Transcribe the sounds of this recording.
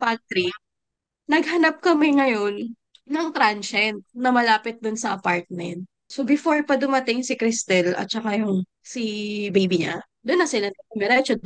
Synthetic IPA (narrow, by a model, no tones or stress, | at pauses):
pat̪ɾik̚ | nɐɡ̚hɐnap̚kɐmɪŋɐjo̞nː | ɐŋt̪ɾanʃɛnt̪̚nɐmɐlaːpɪt̪̚d̪ʊnsɐʔɐpaɹt̪̚mɛnt̪̚ | sobɪfoɹpɐd̪ʊmɐt̪ɪŋsɪkɾɪst̪ɛlʔɐ̰t̪̚t͡ʃɐkajʊŋ | sibejbiɲa̰ | d̪ʊnːɐsɪlɐnɛɛmɛɾɛt͡ʃo